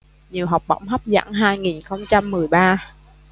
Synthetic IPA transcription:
ɲi˨˩əwɦa˨˩wk͡p̚ɓə̰˧˥˩wŋ͡mɦa˦˥p̚za̰ː˧˥ŋɦaː˧jŋi˨˩nxə˧wŋ͡mt͡ɕa˧mːɨ˨˩əjɓaː˧

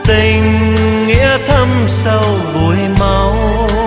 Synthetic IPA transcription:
t̪ï˨˩ŋːɛ̰˧˥t̪ʰə˧msa˧wvu˨˩˦jma˨˧˦w

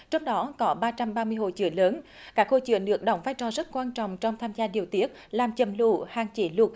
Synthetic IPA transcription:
t͡ɕɔ˧wŋ͡mɗɔ˨˦kɔ˨˦ɓaː˧t͡ɕa˧mɓaː˧mɨ˧əjɦo̰˧˨t͡ɕɨ̰˧˩əŋləː˨˦n | kaː˦˥k̚ho̰˧˨t͡ɕɨ̰˧˩ənɗɨ˨˩ək̚ɗɔ˧˩wŋ͡mvaː˧jt͡ɕɔ˨˩zə˦˥t̚kwaː˧nt͡ɕɔ̰˧˨wŋ͡mt͡ɕɔ˧wŋ͡mt̪ʰaː˧mzaː˧ɗi˨˩əwt̪i˦˥ət̚laː˨˩mt͡ɕə˨˩mlṵ˧˩haː˨˩ŋt͡ɕi˧˩˦lʊ˨˩k̚

